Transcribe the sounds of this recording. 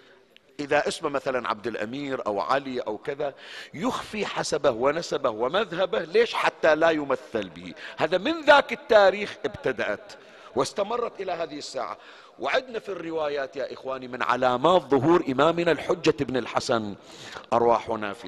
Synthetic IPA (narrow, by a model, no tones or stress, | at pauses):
ʔɪðaʔɪsmamaθalanʕa̰b̚d̪ɪlʔa̰miːɾʔa̰wʕa̰liʔa̰wkɪðajʊxfiħasabahwɪnasabahwɪmaðɦabahleːʃħat̪ːalajʊmaθːɪlbɪ̰hḭhaːðamɪnðaːkɪt̪ːaːɾiːxʔɪbt̪ad̪aʔat̪ | wɪst̪amɑrˤːɑt̪ʔɪlaɦaːðɪhɪsːa̰ːʕa̰ | wɪʕɪd̪nafirːɪwaːjaːt̪jaːʔɪxwaːnimɪnʕa̰laːmaːt̪ðˤʊɦuːɾʔɪmaːmɪnalħʊd͡ʒːaʔɪbnɪlħasan | ʔɑɾˤwaːħwɪnaːfḭ